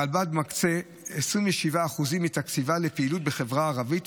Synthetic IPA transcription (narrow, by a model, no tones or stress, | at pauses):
albad̚makt͡se̞ | esʁimveʃivaːχuzimit̪akt͡sivalepeilut̚be̞χe̞vʁaːʁavit